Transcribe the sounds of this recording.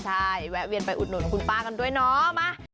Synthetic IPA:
t͡ɕʰa˥˩jwɛː˦˥wi˧ənpa˧jʔu˨˩t̪̚nu˨˩˦n˩kʰu˧npaː˥˩ka˧ndu˥˩əjnɔ˦˥ma˦˥˩

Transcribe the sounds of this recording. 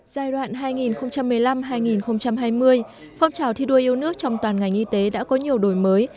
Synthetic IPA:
z̥aː˧˩jɗwa̰ː˧˨nɦaː˧jŋi˨˩nxə˧wŋ͡mt͡ɕa˧mːɨ˨˩əjla˧mɦaː˧jŋi˨˩nxə˧wŋ͡mt͡ɕa˧mɦaː˧jmɨ˧əj | fɔ˧wŋ͡mt͡ɕaː˧˩wt̪ʰi˧ɗu˧əjʔi˧wnɨ˦˥ək̚t͡ɕɔ˧wŋ͡mt̪waː˨˩nŋa˨˩jŋ̟ʔi˧t̪e˨˦ɗa̰ː˧˥kɔ˨˦ɲi˨˩əwɗo˨˩jməː˨˦j

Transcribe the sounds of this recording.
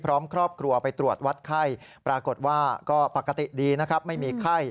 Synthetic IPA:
pʰɾɔː˦˥mkʰɾɔː˥˩p̚kʰɾu˧ɐpa˧jt̪ɾu˨˩ət̪̚wa˦˥t̪̚kʰa˥˩j | pɾaː˧ko˨˩t̪̚waː˥˩kɔː˥˩pa˨˩kːa˧t̪i˨˩diː˧na˦˥kʰɾa˦˥p̚ma˥˩jmiː˧kʰa˥˩j

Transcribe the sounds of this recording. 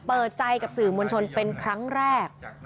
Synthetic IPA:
pɤː˨˩t̪̚t͡ɕa˧jka˨˩p̚sɯː˨˩mo˧nt͡ɕʰo˧npe˧nkʰɾa˦˥ŋɾɛː˥˩k̚

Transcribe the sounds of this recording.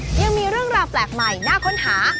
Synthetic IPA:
ja˧ŋmiː˧ɾɯ˥˩əŋɾaː˧wplɛː˨˩k̚ma˨˩jnaː˥˩kʰo˦˥nhaː˩˦

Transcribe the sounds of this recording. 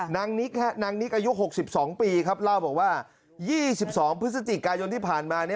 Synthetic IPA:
naː˧ŋni˦˥k̚ha˦˥naː˧ŋni˦˥k̚ʔaː˧ju˦˥ʔɦo˨˩k̚si˨˩p̚sɔː˩˦ŋpiː˧kʰa˦˥p̚la˥˩wbɛː˨˩k̚waː˥˩ | jiː˥˩si˨˩p̚sɔː˩˦ŋpʰɾɯ˦˥t̚sa˧t̪i˨˩kaː˧jo˧nt̪ʰiː˥˩pʰaː˨˩nmaː˧ni˥˩

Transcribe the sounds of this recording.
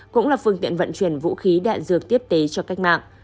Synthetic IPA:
kʊ̰˧˥ŋ͡mlaː˨˩fɨ˧əŋt̪ḭ˧˨ənvə̰˧˨nt͡ɕwi˧˩ənvṵ˧˥xi˨˦ɗa̰ː˧˨nzɨ˨˩ək̚t̪i˦˥əp̚t̪e˨˦t͡ɕɔ˧ka˦˥jk̟̚ma̰ː˧˨ŋʔ

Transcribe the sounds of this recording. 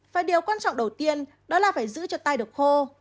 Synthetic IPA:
faː˧˩jɗi˨˩əwkwaː˧nt͡ɕɔ̰˧˨ŋ͡mɗə˨˩wt̪i˧ən | ɗɔ˨˦laː˨˩faː˧˩jzɨ̰˧˥t͡ɕɔ˧t̪aː˧jɗɨ˨˩ək̚xo˧

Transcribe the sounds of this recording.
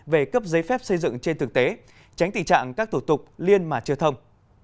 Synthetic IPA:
ve˨˩kə˦˥p̚zə˨˦jfɛ˦˥p̚sə˧jzɨ̰˧˨ŋt͡ɕe˧nt̪ʰɨ˨˩k̚t̪e˨˦ | t͡ɕa˨˦jŋ̟t̪ḭ˧˩t͡ɕa̰ː˧˨ŋkaː˦˥k̚t̪u˧˩t̪ʊ˨˩k͡p̚li˧ənmaː˨˩t͡ɕɨ˧ət̪ʰə˧wŋ͡m

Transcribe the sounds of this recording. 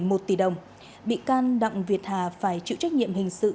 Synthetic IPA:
mo˨˩t̚t̪i˧˩ɗə˨˩wŋ͡m | ɓḭ˧˨kaː˧nɗa̰˧˨wŋ͡mvi˨˩ət̚haː˨˩faː˧˩jt͡ɕḭ˧˨wt͡ɕa˦˥ɲḭ˧˨əmhï˨˩ŋ̟sɨ̰˧˨

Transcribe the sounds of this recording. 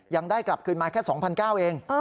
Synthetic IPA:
ja˧ŋdaː˥˩jkla˨˩p̚kʰɯː˧nmaː˧kʰɛː˥˩sɔː˩˦ŋpʰa˧nkaː˥˩wʔeː˧ŋ

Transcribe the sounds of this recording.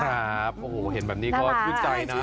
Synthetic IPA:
aː˦˩p̚ʔo˨hɦe˨˩˦nbɛː˨˩niː˦˥kɔː˦˥˩t̪ʰuː˥˩t͡ɕa˧jna˦˥˦

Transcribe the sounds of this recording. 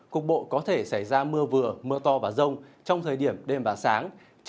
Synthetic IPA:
kʊ˨˩k̚ɓo̰˧˨kɔ˨˦t̪ʰe˧˩sa˧˩jzaː˧mɨ˧əvɨ˧˩əmɨ˧ət̪ɔ˧vaː˨˩zə˧wŋ͡mt͡ɕɔ˧wŋ͡mt̪ʰəː˨˩jɗi˧˩əmɗe˧mvaː˨˩saː˨˦ŋ

